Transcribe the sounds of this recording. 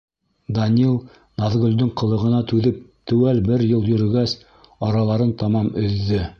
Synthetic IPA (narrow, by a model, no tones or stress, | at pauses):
d̪ɐnʲilˠ | nɑðɡɵ̆lʲd̪ɵɴqɤ̆lˠɤ̆ʁɤ̆nɑt̪ʉðɘp̚t̪ɵ̆wælbɘɾjɤlˠjɵ̆ɾɵ̆ɡæs | ɑɾɑlˠɑɾɤnt̪ɑmɑmɵ̆ðːɵ